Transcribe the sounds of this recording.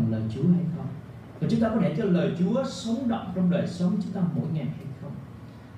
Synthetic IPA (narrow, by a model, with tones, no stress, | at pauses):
ŋləː˨˩jt͡ɕu˨˦əha˧jxə˧wŋ͡m | vaː˨˩t͡ɕʊ˨˦ŋ͡mt̪ːkɔ˨˦˥e˧˩t͡ɕɔ˧ləː˨˩jt͡ɕu˨˦əsu˨˦nɗə̰˧˨wŋ͡mt͡ɕɔ˧wŋ͡mɗəː˨˩jsə˨˦wŋ͡mt͡ɕʊ˨˦ŋ͡mt̪aː˧mːo̰˧˥jŋa˨˩jha˧jxə˧wŋ͡m